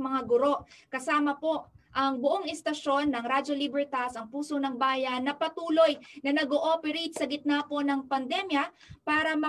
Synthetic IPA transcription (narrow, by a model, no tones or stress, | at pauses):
mɐŋaɡʊɾo̞ʔkɐsaːmɐpo̞ʔʔɐŋbʊʔoŋɛst̪ɐʃo̞nːɐŋɾad͡ʒo̞libɛɹt̪asɐŋpuːso̞nɐŋbaːjɐnːɐpɐt̪uːlo̞jnɐnɐɡoʔopɛɾejt̪̚sɐɡɪt̪̚napo̞nɐŋpɐnd̪ɛmjɐ | paːɾɐmɐ